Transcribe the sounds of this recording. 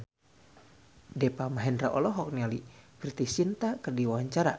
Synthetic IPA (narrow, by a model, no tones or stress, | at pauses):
dɛpamaɦɛndɾaʔɔ̰lɔɦɔk̚nialifirt̪isint̪akɨrdiwawaɲt͡ʃaɾa